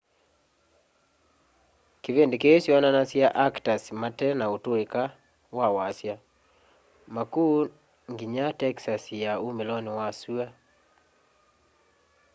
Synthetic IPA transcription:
kivendekesiananasiaʔaktasmatɛnautoeka | wawasja | makuː | ŋɡiɲatɛksasjaumelɔniwasua

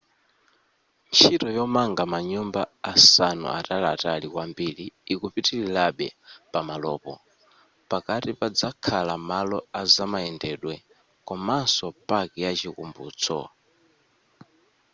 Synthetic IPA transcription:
nt͡ʃʰitɔjɔmaŋɡamaɲumbaasanṵʔa̰talatalikwambiliːkupitililaɓɛpamalɔːpɔ̰ | pakatipad͡zakʰalamalɔazamaɛndɛɗwɛ | kɔmansɔpʼakijat͡ʃikumbṵːt͡sʰɔ̰

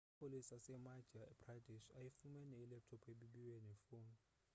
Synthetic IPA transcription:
pʰolisasɛmad͡ʒʱabradʱiʃajifumɛnɛːlɛp̚tʰɔpʰeɓiɓiwɛnɛfoːn

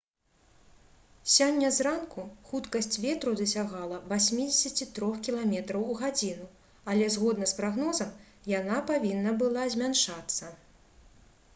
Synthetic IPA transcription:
sʲɔnʲːɐzrankuxut̪kɐsʲt͡sʲvʲɛt̪ɾud̪ɐsʲaɣalˠɐvasʲmʲid͡zʲesʲɐt͡sʲit̪ɾɔxkʲilˠamʲɛt̪ɾɐwuɣad͡zʲinu | alʲɛzɣɔd̪nɐspɾaɣnɔzɐm | janapavʲinːɐbɨlˠazʲmʲanʂat̪sːɐ

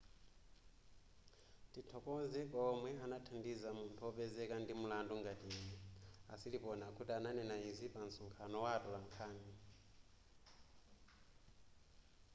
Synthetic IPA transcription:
titʰɔkɔzɛkʼɔmwɛanatʰandizamuntʰuɔpɛzɛkandimulandɔŋɡatiːnɛa̰silipɔnakʰutiananɛnaizipant͡sɔŋkʰanɔwatɔlaŋkʰaːni

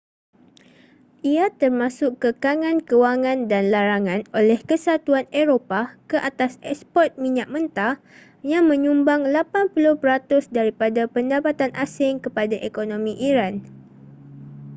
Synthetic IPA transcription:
ʔiat̪ərmãsʊkːəkaŋãnkəwaŋãndanlaɾaŋãnolɛhkəsat̪uaneɾopakəʔat̪asɛkspɔrt̪̚mĩɲaʔ̚mə̃nt̪a | jaŋmə̃ɲũmbaŋlapanpulʊhpəɾat̪ʊsdaɾipadapəndapat̪anʔasɪŋkəpadaʔekonõmĩʔiɾan

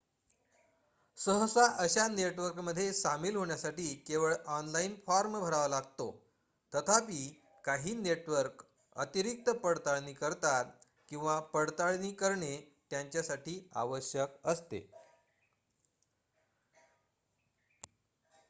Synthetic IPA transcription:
səɦəsaʔəɕaneʈʋəɾkməd̪ʱːjesamiːlɦoɳjasaʈiːkeʋəɭɔnlainfaɾmbʱəɾaʋalaɡ̚t̪o | t̪ət̪ʰapiː | kaɦiːneʈʋəɾk | ə̰t̪iɾik̚t̪əpəɽt̪aɭniːkəɾt̪at̪ | kĩw̃ʋapəɽt̪aɭniːkəɾɳe | t̪jaɲt͡ɕjasaʈiːa̰ʋəɕjəkəst̪ḛ

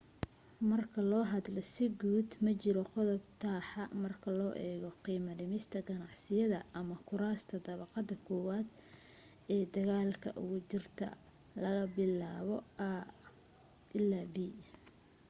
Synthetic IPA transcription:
mɐrkʰɐlɔːɦɐd̪lɔsɪɡuːd̪mɐt͡ʃɪɾɔqɔðɔb̚t̪ʰaːħɑmɐrkʰɐlɔːʔɛːɣɔqiːmɐnɪmɪst̪ʰɐɡɐnɑʕsɪjɐðɐʔɐmɐkʰʊɾaːst̪ʰɐd̪ɐβɑqɑd̪ɐkʰɔːwaːd̪ | ɛːd̪ɐɣaːlkʰɐ̰ʔʊ̰ɣʊt͡ʃɪrt̪ʰɐ̰ | lɐɣɐbɪlaːβɔaː | ʔɪlːaːbiː

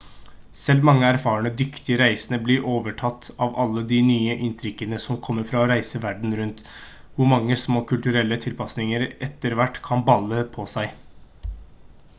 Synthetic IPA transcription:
sɛlːmɑŋːəæɾfɑːəɳəd̪ʏkt̪ɪəɾæɪsənəblɪɾʔoːʋəʈʰɑt̪ːɑːʋɑlːəd̪ɪnyːəʔɪnt̪ʰɾʏkːənəsɔmkʰɔmːəɾfɾɑɔɾæɪsəʋæɖɳ̩ɾʉnt̪ | ʋʊɾmɑŋːəsmoːkʰʉlt̪ʉɾɛlːət̪ʰɪlpʰɑsnɪŋəɾɛt̪ːəɾʋæʈːkʰɑnbɑlːəpʰɔsæɪ

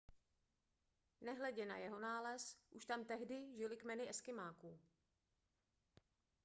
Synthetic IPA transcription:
nɛɦlɛɟɛna̰jɛɦo̞naːlɛsʔuʃt̪amt̪ɛɦdɪʒɪlɪkmɛnɪʔɛskɪmaːkuː

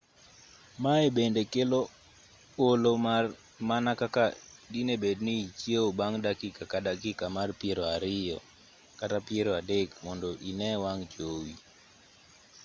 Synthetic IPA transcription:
maebendekelo | oloma | manakakadinebednit͡ʃjeobaŋdakikakadakikamarpjeɾoaɾɪjɔ | katapjeɾoadekmɔndɔʔinɛwaŋt͡ʃowi

